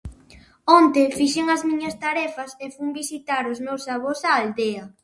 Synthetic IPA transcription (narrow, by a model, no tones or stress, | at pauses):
ɔnt̪efiʃeŋɐzmĩɲɐst̪aɾɛfɐsefuŋbisit̪aɾozmewsːaβ̞osaːld̪ea